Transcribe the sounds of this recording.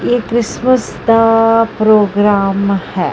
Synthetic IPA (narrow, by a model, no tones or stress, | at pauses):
jeːkɾɪsməs | d̪apɾoːɡɾaːmhɛː